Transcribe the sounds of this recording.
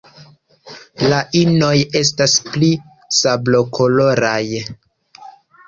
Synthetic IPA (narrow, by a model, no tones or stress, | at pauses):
laʔino̞je̞s̬taspli | sablo̞kʰo̞lo̞ɾaj